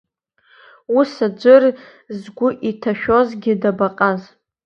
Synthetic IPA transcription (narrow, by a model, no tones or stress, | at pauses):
usad͡ʒʷɨr | zɡʷʊʔitʰaʃᶣo̞zɡʲɪdabaqʼaz